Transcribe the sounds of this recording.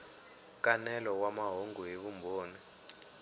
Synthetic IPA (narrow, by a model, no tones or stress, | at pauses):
k̬ʼanɛlɔwamaɦoŋɡuɦeβumbʱoːnɛ